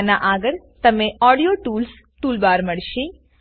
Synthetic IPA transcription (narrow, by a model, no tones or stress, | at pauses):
naʔaɡəɭ | t̪əmeɔɽijoʈuːls | ʈuːlbaːɾməɽʃĩ